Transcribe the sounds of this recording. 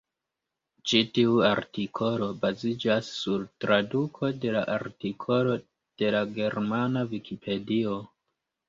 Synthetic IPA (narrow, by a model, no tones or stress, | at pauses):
t͡ʃitiuaɾtikʰo̞lo̞bazid͡ʒasːuɾtɾadukʰo̞de̞laʔaɾtikʰo̞lo̞ | d̥e̞laɡe̞ɾmanavikʰipʰe̞dio̞